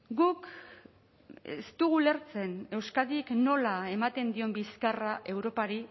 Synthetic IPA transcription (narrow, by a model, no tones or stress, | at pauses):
ɡuk | ḛst̪uɣule̞ɾt͡se̞ne̞wskaðikno̞lae̞mat̪e̞nd̪io̞mbiskaraʔe̞wɾo̞paɾi